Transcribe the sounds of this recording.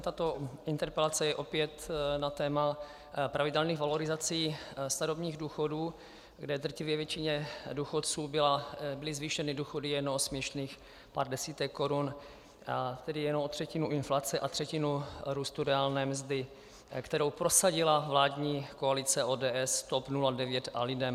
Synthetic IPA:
t̪at̪o̞ɪnt̪ɛɾpɛlat͡sɛjɛʔo̞pɪɛt̪nat̪ɛːma | pɾavɪdɛlniːɣvalo̞ɾɪzat͡siːst̪aɾobɲiːɣduːxoduː | ɡdɛd̪r̩cɪvjɛvjɛt͡ʃɪɲɛduːxot̪t͡suːbɪlabɪlɪzviːʃɛnɪduːxo̞dɪjɛnoosmɲɛʃniːx | pa̰ːrdɛsiːt̪ɛkːo̞ɾun | at̪ɛdɪjɛnoʔot̪r̥ɛcɪnuɪnflat͡sɛʔat̪r̝̥ɛcɪnuɾuːst̪uɾɛaːlnɛːmzd̪ɪ | kt̪ɛɾo̞wpɾo̞saɟɪlavlaːdɲiːkoalɪt͡sɛʔoːdɛːʔɛst̪opnuladɛvjɛt̪ʔalɪdɛm

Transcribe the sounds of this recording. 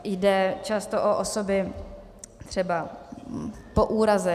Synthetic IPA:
jdɛt͡ʃast̪oʔoʔosobɪ | t̪r̝̥ɛba | po̞ʔuːɾazɛ

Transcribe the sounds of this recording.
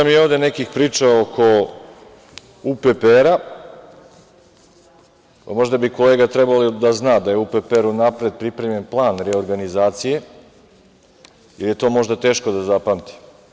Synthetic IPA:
amjioʋd̪e̞ne̞kixpɾiːt͡ʃaokʰo̞ | upepeɾa | amo̞ʒd̪abiko̞le̞ːɡat̪ɾebalid̪aznaːd̪ajeupepeɾunapɾed̪̚pɾipɾe̞mje̞nplˠaːnɾeoɾɡanizaːt̪sije̞ | ilje̞t̪o̞ːmo̞ʒd̪at̪e̞ːʃko̞d̪azapamt̪i̥

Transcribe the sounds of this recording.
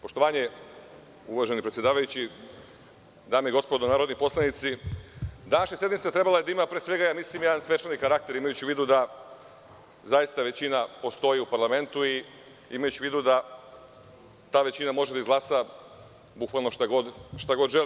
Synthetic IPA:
po̞ʃt̪o̞ʋaːɲe | uʋaʒe̞nipɾet̪jed̪aːʋajut͡ɕi | d̪aːmeiɡo̞spo̞d̪onaːɾo̞d̪nipo̞slˠanit̪si | d̪anaʃesje̞d̪mit̪et̪ɾe̞balajed̪aimapɾesʋe̞ɡajaːmislimjed̪ansʋe̞t͡ʃanikaɾak̚t̪e̞ɾimajut͡ɕiʋiːd̪ud̪a | zajist̪aʋe̞t͡ɕinapo̞st̪o̞jiupaɾlame̞nt̪ui | imajut͡ɕiʋiːd̪ud̪a | t̪aːʋe̞t͡ɕinamo̞ʒe̞d̪aizɡlaːsa | bukʋalnoʃt̪aɡod̪ʃt̪aɡo̞d̪ʒeli

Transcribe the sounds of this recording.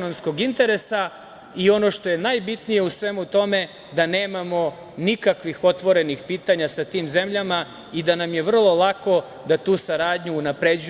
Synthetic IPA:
nomsko̞ɡint̪e̞ɾe̞sa | io̞no̞ʃt̪o̞je̞najbit̪nije̞usʋe̞mut̪o̞me̞ | d̪ane̞ːmamo̞ | nikakʋixo̞t̪ʋo̞ɾe̞nixpiːt̪aɲasat̪iːmze̞mʎama | id̪anamje̞ʋr̩lˠo̞lˠako̞ | d̪at̪uːsaɾaːd̪ɲuːnapɾed͡ʑu

